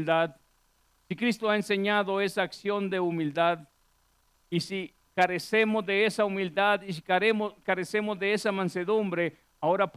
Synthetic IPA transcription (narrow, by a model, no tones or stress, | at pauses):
ld̪að | sikɾist̪oaenseɲaðoesaːksjond̪eumild̪að | isi | kaɾesemozðeesaumild̪aðis̬ikaɾesemozðeesamanseðumbɾe | aoɾap